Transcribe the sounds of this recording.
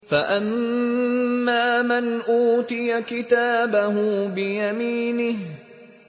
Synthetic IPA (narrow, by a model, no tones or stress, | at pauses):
faʔamː | aːmanʔuːt̪ɪjakɪt̪aːbaɦʊbɪjamiːnɪh